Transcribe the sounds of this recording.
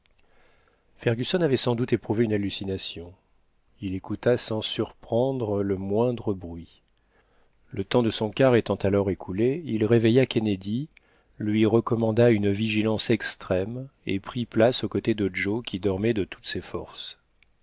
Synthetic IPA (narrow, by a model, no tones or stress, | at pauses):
fɛʁɡʲysɔnavɛsɑ̃d̪ut̪epχuveynalːysinasjɔ̃ | ilekut̪asɑ̃syʁpχɑ̃d̪ʁələmwɛ̃d̪ʁəbʁɥi | lət̪ɑ̃d̪əsɔ̃kaʁet̪ɑ̃t̪alɔʁekʰuleilʁevejakʲened̪i | lɥiʁəkɔmɑ̃d̪aynviʒilɑ̃sɛkst̪χɛmepχiplasokot̪ed̪əd͡ʒokʲʰid̪ɔʁmɛd̪ət̪ʰu̥t̪sefɔʁs